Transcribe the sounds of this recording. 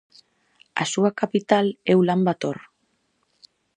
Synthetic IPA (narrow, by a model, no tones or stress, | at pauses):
a̰suakapit̪alewlambat̪o̞ɾ